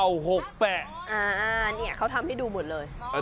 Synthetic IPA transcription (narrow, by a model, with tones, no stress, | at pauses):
a˧wɦo˨˩k̚pɛː˨˩t̪̚ʔaː˧˩ʔaː˧ni˧˨˩kʰːa˥˩wt̪ʰa˧mha˥˩jduː˧mo˨˩t̪̚lɤː˧j